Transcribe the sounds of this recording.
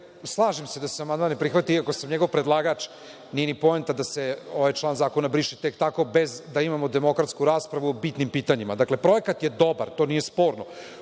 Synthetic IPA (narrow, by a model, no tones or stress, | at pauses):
slˠaːʒemse̞d̪aseamand̪manːepɾixʋat̪iiakosamɲeɡo̞ʋpɾed̪lˠaːɡat͡ʃ | nijenipo̞ent̪ad̪aseoʋajt͡ʃlˠaːnzaːko̞nabɾiʃet̪ekt̪ako̞bezd̪aimamod̪emo̞kɾat̪skuɾaːspɾaʋuobit̪nimpiːt̪aɲimad̪akle̞pɾo̞ekat̪jed̪o̞baɾt̪o̞ːnijespo̞ːɾno